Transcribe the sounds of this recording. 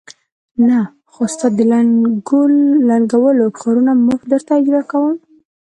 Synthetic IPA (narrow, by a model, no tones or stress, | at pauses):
na | xost̪ad̪əlanɡulːaɳɡawəlokʰɑɾunamʊfd̪əɾt̪ad͡ʒɾakawəm